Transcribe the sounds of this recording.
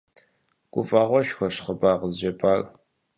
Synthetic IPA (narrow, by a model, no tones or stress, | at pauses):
ɡ̥ʷʊfʼaːʁʷɔʃxʷɔɕχəbaːʁəzʒɐpʰaːr